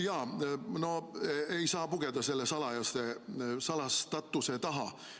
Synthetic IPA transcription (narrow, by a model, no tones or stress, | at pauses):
jɑːno̞ejsɑːpuɡ̥ed̪ɑse̞lːesɑlɑjɑst̪esɑlɑst̪ɑt̪ːˑuset̪ɑɦɑ